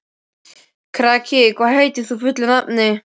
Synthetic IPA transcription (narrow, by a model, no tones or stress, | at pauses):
kʰɾakʰɪkvaheːjt̪ɪθufʏt̪lɪnap̚nɪ